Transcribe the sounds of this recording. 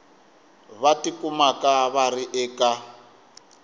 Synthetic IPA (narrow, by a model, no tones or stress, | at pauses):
βatikʼumakʼaβariʔɛːkʼa